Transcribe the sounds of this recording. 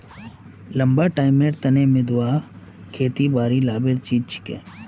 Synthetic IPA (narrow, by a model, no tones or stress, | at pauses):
lɐmbaʈaːɪmeɾt̪ɐnemẽd̪ʊwaː | kʰeːt̪ibaːɾilaːbeɾt͡ʃiːt͡ʃʰi̥kḛː